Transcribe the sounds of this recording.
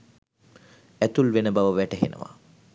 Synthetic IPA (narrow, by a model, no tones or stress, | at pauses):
æt̪ulʋenəbaʋəʋæʈəɦḛnə̰ʋa̰